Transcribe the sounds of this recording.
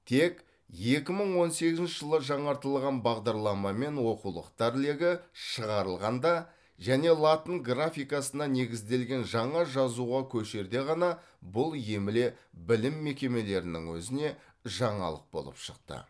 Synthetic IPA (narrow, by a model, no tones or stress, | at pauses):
t̪ʰe̞k | je̞kʲɪməɴwo̞nse̞ɡʲɪzɪnt͡ʃʃɪʒəlˠəʒɑɴɑɾt̪əlˠʁɑnbɑʁd̪ɑɾlˠɑmɑme̞nwo̞qulˠə̰qt̪ɑɾle̞ɡʲɪʃəʁɑɾəlˠʁɑnd̪ɑ | ʒæne̞lˠat̪ənɡrafʲijkɑsənɑne̞ɡʲɪzd̪e̞lɡʲe̞nʒɑɴɑʒɑzuʁɑkʲʰɵʃe̞ɾd̪e̞ʁɑnɑ | bʊlˠje̞mɪle̞bɪlɪmːe̞kʲe̞me̞le̞ɾɪnɪ̰ŋwɵzɪne̞ | ʒɑɴɑ̰lˠə̰q̚bo̞̰lˠə̰pʃəq̚t̪ə̰